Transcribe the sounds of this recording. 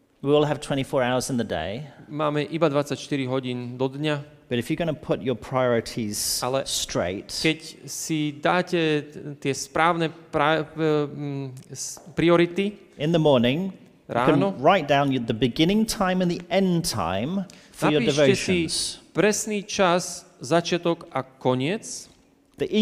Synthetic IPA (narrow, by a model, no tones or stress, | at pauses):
wiɔːlˠəv̥tʰw̥ɛ̃ɾ̃tifɔːɹaʊə˞zɪ̃nðədḛɪmaːmɛʔibad̪ʋat͡sacʃt̪iɾiɦɔɟiːnd̪ɔd̪ɲa | b̥ʌɾɨfjə˞ɡʌnəpʰʊt͡ʃəpʰɹ̥aɪɔɹɨɾʰiz̥alɛstɹ̥ḛɪtkɛcsid̪aːcɛt̪ɪɛspɾaːʊnɛpɾa | pɾiɔɾit̪i | ɪ̃nðəmɔɹnɪ̃ŋ | ɾʔa̰ːnɔɹaɪt̚d̥ãʊ̃njəðəbɪɡɪ̃nɪ̃ŋtʰãɪ̃mə̃nðiɛ̃ntʰã̰ɪ̃m | fəajəiːdɪvoʊɛʃĩz̥pɾɛsniːt͡ʃazzat͡ʃɪat̪ɔɡakɔɲɪɛt͡s | ðiʔ